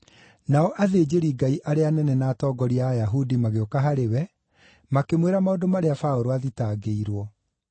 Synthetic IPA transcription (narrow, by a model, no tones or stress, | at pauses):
naɔʔaðeːd͡ʑeɾiɡaiʔaɾeanɛnɛnaːtɔːɡɔɾiajaɦudimaɣeokaɦaɾewɛ | makemweɾamaodomaɾeafaoɾoaðitaːɡeiɾwɔ